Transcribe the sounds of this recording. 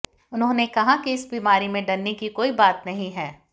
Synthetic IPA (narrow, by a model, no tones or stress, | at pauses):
ʊnɦõnekɐɦakiɪsbiːmaːɾimẽɖɐɾnekikoːibaːt̪nɐɦĩɦɛː